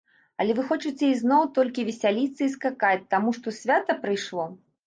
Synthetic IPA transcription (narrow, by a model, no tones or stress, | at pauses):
ɐ̰lʲɛvɨxɔt͡ʂɨt͡sʲɛiznɔwt̪ɔlʲkʲivʲɛsʲalʲit̪sːɐiskakat͡sʲt̪amuʂt̪ɔsʲvʲat̪ɐpɾɨjʂlˠɔ